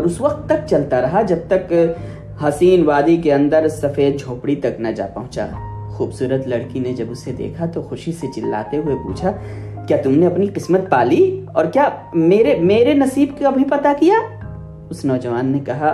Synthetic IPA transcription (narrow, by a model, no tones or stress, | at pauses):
ɔːɾʊsʋɐq̚t̪ːɐk̚t͡ʃɐlt̪aɾɐɦad͡ʒɐb̚t̪ɐk | ɦɐsiːnʋaːd̪ik̬eɐ̃nd̪əɾsɐfeːd̪̚d͡ʒʱoːpɽit̪ɐknɐd͡ʒa̰ːpɐɦʊ̃t͡ʃa̰ː | xuːbsuːɾət̪lɐɽkined͡ʒɐbʊsːed̪ḛːkʰat̪oxʊʃiset͡ʃɪlːa̰ːt̪eɦʊepṵːt͡ʃʰa | kjaːt̪ʊmneɐpniqɪsmət̪̚paːliɔːɾkjaːmeːɾemeːɾenɐsiːbkabʱipɐt̪akijaː | ʊsnɔːd͡ʒɐʋaːnːekɐɦa